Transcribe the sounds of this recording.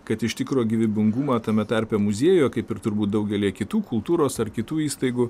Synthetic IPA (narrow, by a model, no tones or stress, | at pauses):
kɐt̪ɪʃt̪ʲɪkɾoːɡʲɪʋʲɪbʲɪŋɡumɑːt̪ɐmʲɛt̪ɐɾʲpʲɛmʊzʲeːjoːkɐɪpɪɾt̪ʊɾbuːt̪̚d̪ɐʊɡʲɛlʲiɛkʲɪt̪uːkʊlˠt̪uːɾoːsɐɾkʲɪt̪uːiːst̪ɐɪɡʊ